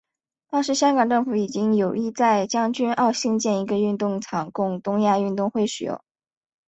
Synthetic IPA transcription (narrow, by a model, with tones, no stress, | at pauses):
t̪ɑ˥ŋʂɻ̩˧˥ɕjɑ˥ŋkɑ˨˩ŋʈ͡ʂɤ˥˩ŋfu˧˥i˨˩t͡ɕi˥ŋjo˨˩ʊi˥˧t͡sa˥˧ɪt͡ɕjɑ˥ŋt͡ɕy˥nɑ˥˧ʊɕi˥˧ŋt͡ɕjɛ˥˩ni˧˥ɡə˧y˥˧nt̪ʊ˥˩ŋt͡sʰɑ˨˩ŋkʊ˥˧ŋt̪ʊ˥ŋja˥˧y˥˧nt̪ʊ˥˧ŋxwe˥˩ɪʂɻ̩˨˩jo̰˥˩ʊ